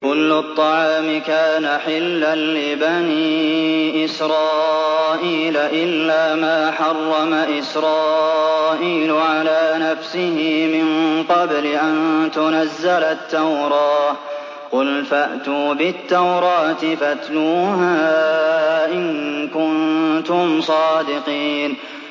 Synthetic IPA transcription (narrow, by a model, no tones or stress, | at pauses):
kʊlːʊt̪ˤːɑʕɑːmɪkaːnaħɪlːanːɪbaniʔɪsɾˤɑːʔiːlaʔɪlːaːmaːħɑrˤːɑmaʔɪsɾˤɑːʔiːlʊʕalaːnafsɪhɪmɪnqɑblɪʔant̪ʊnazːalat̪ːawɾˤɑː | qʊlfaʔt̪uːbɪt̪ːawɾˤɑːt̪ɪfat̪nuːɦaː | ʔɪŋkʊnt̪ʊmsˤɑːd̪ɪqiːn